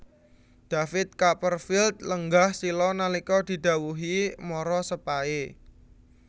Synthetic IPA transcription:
d̪̥a̤fɪt̪̚kapərfilt̪̚ləŋɡahsilɔnalikɔd̪̥i̤d̪̥ä̤wuɦimɔɾɔsəpae

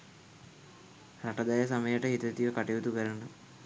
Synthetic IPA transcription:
raʈəd̪ajəs̬aməjəʈəɦit̪ət̪iʋəkaʈiʋut̪ubæɾənə

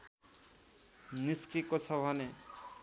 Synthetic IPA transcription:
niskikot͡sʰʌbʱʌne

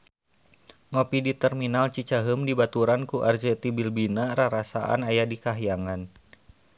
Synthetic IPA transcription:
ŋopidit̪ɛrminalt͡ʃit͡ʃaɦəmdibat̪uɾankuʔard͡ʒɛt̪ibilbinaɾaɾasa̰ʔa̰najadikaɦijaŋan

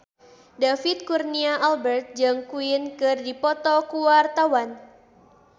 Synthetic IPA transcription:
dafit̪̚kurniaʔalbɛrt̪̚d͡ʒaŋkuinkɨrdipɔt̪ɔkuwart̪awan

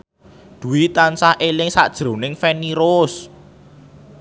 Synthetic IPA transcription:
d̪̥ṳwit̪ansahʔelɪŋsa̰ʔd̥ʒ̥ɾo̤nɪŋfɛniɾoʊs

